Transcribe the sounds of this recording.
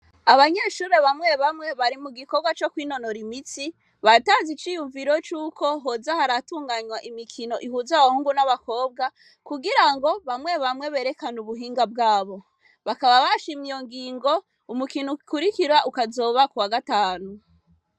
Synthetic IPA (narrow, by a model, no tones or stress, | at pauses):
aβaɲeːʃuːɾe̞βamŋe̞βamŋe̞βaɾimuɡikobɡwat͡ʃo̞kwino̞no̞ɾimit͡si | βataːnzit͡ʃiːjuɱviɾo̞t͡ʃuːko̞ɦozahaɾatuːŋɡaɲwaʔimikʰino̞ʔihuːzaβahuːŋɡunaβako̞ːb̚ɡa | kuɡiɾaŋɡo̞βamŋe̞βamŋe̞βe̞ːɾe̞kanuβuɦiːŋɡab̚ɡaːβo̞ | βakaβaβaʃimijo̞ŋɡiːŋɡo̞ | umukinukikuɾikiɾaʔukazo̞ːβakuwaɡataːnu